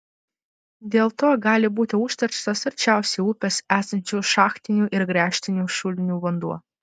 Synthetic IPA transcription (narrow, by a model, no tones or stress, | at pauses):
d̪ʲeːlˠt̪oːɡɑːlʲɪbuːt̪ʲɪʊʃʲt̪ʲɐɾʲt͡ʃt̪osɐɾʲt͡ʃʲæˑʊsʲeuːpʲeːsæːsɐnʲt͡ʃʲuːʃɑːxt̪ʲɪnʲuːʔɪɾɡɾʲæːʃʲt̪ʲɪnʲuːʃʊlʲɪnʲuːʋɐnd̪uɔ